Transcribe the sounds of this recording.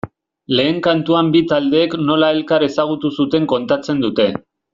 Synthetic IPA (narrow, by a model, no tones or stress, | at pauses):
le̞ːŋkant̪uambit̪ald̪e̞ːkno̞lae̞lkaɾe̞saɣ̞ut̪usut̪e̞ŋko̞nt̪at͡se̞nd̪ut̪e̞